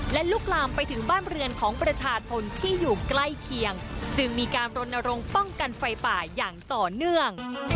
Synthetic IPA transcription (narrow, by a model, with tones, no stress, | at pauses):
lɛ˦˥luː˦˥˩k̚laː˧mpa˧jt̪ʰɯ˩˦ŋbaː˥˩nɾɯ˧ənkʰɔː˩˦ŋpɾa˧t͡ɕʰaː˧t͡ɕʰo˧nt̪ʰiː˥˩juː˨˩kla˥˩jkʰi˧əŋt͡ɕɯ˧ŋmiː˧kaː˧nɾo˧nːa˧ɾo˧ŋpɔ˥˩ŋka˧nfa˧jpaː˨˩jaː˨˩ŋt̪ɔː˨˩nɯ˥˩əŋ